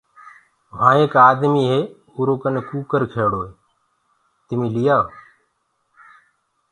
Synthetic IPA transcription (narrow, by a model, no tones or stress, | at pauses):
ʋãːeːkaːd̪miːɦeː | uːɾoːkənekuːkəɾkʰeːɽoːeː | t̪ɪmiːlijaː